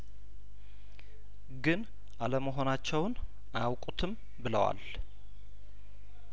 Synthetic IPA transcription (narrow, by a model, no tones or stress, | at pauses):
ɡɨn | ʔaləməɦo̞nat͡ʃːɛwn | ʔawkʼut̪ʰɨm | bɨləwa̰l